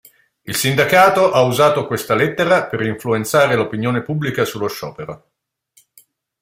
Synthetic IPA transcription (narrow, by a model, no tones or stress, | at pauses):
ilsind̪akaːt̪oʔauzaːt̪okwest̪alet̪ːeɾapeɾiɱfluent̪saːɾelopinjoːnepubːlikasulːoʃːɔ̰ːpeɾo